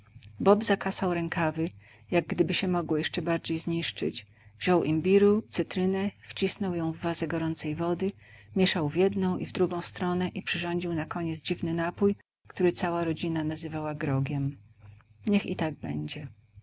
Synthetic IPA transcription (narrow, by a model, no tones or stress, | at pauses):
bɔbzakasawɾɛŋkavɘ | jaɡ̚ːd̪ɘbɘɕɛmɔɡwɔjɛʂt͡ʂɛbaɾd͡ʑejzɲiʂt͡ʂɘ̰t͡ɕ | v̥ʑɔwʔimbʲiɾut̪sɘt̪ɾɘnɛft͡ɕisnɔwjɔ̃w̃vːazɛɡɔɾɔnt̪sɛjvɔd̪ɘ | mʲjɛʂawvʲjɛd̪nɔ̃w̃ʔivd̪ɾuɡɔ̃w̃st̪ɾɔnɛʔipʂɘʐɔɲd͡ʑiwnakɔɲɛd̪zd͡ʑivnɘnapuj | kt̪uɾɘt̪sawaɾɔd͡ʑinanazɘvawaɡɾɔɡʲjɛm | ɲɛxḭt̪aɡ̚bɛ̰ɲd͡ʑɛ